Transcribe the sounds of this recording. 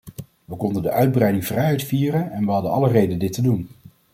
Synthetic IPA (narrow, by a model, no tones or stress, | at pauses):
ʋəkɔndəndəʔœɥd̚brɛjdɪŋv̥rɛjɦɛjtfiːrənɛnʋəɦɑdənɑlərejdəndɪtədun